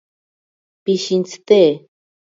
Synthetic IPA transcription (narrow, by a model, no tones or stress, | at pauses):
piʃint͡sɨ̥t̪eː